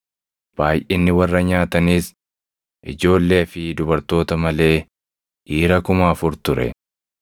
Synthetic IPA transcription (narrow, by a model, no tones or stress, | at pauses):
b̥aːjʔɪnːɪwɐrːɐɲaːt̪ɐniːs | ʔɪd͡ʒo̞ːlːe̞ːɐfɪd̪ʊbɐɾt̪o̞ːt̪ɐmɐle̞ː | hiːɾɐkʊmaːfʊɾt̪ʊɾɛ̰